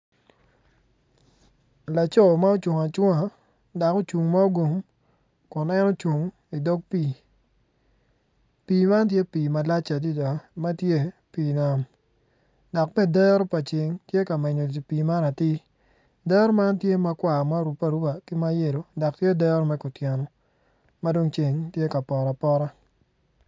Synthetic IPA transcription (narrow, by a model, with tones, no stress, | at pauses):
la˨t͡ʃɔ˦˨ma˦o˦t͡ʃwo˨ŋa˨t͡ʃwo˦ŋa˨ | da˨ko˦t͡ʃu˨ŋma˦o˦ɡo˨m | kʊ˨nɛ˦no˦t͡ʃu˨ŋ | i˨dɔ˦ɡ̚pi˨ | piː˨ma˦nt̬je˦piː˨ma˨la˦t͡ʃa˨di˦da˨ma˦tje˦piː˨na˦m | dɔ˨kmɛ˦˨dɛ˦ɾɔ˦pa˨t͡ʃe˨ŋtje˦ka˨mɛ˨ɲo˨dpiː˨ma˦ɾa˨tɪ˦ | dɛ˦ɾɔ˦ma˦ntje˦ma˨kwa˨ma˦ɾu˨pːa˨ɾu˦ba˨kɪ˦ma˦je˨ɾo˨dɔ˨k̚tje˦dɛ˦ɾɔ˦mɛ˦kʊ˨tjɛ˨nɔ˨ | ma˦do˦ŋt͡ʃe˨ŋtje˦ka˨pɔ˨ɾa˨pɔ˦ɾa˦